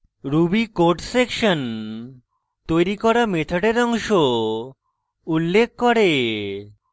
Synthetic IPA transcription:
ɾubikoɾʈsekʃon | t̪ojɾikɔɾamet̪ʰoɖeɾɔŋʃo | ulːek̚ʰkoɾe

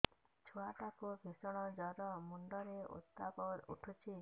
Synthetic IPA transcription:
t͡ʃʰuaʈakubʱisɔɽ̃ɔd͡ʒɔɾɔmuɳɖɔɾeṵt̪ːabɔɾṵʈʰut͡ʃʰi

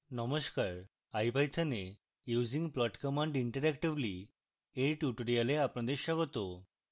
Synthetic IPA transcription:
nɔmoʃkaɾ | ajbajt̪ʰane | juːd͡ʑiŋplɔʈkɔmaɳɖiɳʈaɾɛkʈibli | eɾʈjuʈoɾialeapnad̪eɾʃɔɡot̪o

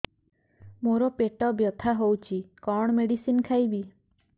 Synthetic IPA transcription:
moɾɔpeʈɔbjɔt̪ʰaɦowt͡ʃʰikɔɳ̃ɔmeɽisinkʰajbi

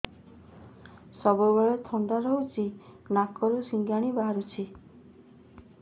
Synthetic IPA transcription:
sɔbubɔɭet̪ʰɔnd̪aɾɔɦut͡ʃʰi | nakɔɾusiŋɡaɽ̃ibaɦaɾut͡ʃʰi

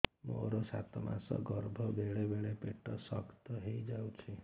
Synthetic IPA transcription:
mo̰ɾosa̰t̪ɔma̰sɔ̰ɡɔɾbʱɔbeɭebeɭepeʈɔsɔkt̪ɔɦejd͡ʒawt͡ʃʰe

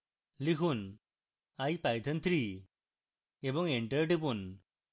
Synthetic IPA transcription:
likʰun | aipajt̪ʰənt̪ʰɾi | ebəŋeɳʈəɾʈipun

